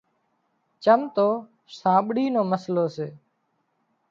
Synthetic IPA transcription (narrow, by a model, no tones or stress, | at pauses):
t͡ʃəmt̪oː | sãːɓɽiːnoːməsloːseː